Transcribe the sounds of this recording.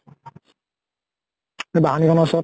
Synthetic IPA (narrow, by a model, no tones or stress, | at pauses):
ebaɦanikʰɔnɔsɔ